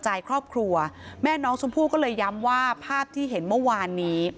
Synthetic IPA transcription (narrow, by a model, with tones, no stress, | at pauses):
t͡ɕa˧jkʰɾɔː˥˩p̚kʰɾu˧ɐmɛː˥˩nɔː˦˥ŋso˧˦ŋpʰuː˥˩t̚kɔː˥˩lɤː˧jːa˦˥mwaː˥˩pʰaː˥˩p̚t̪ʰiː˥˩ɦe˩˦nmɯ˥˩waː˧nːiː˦˥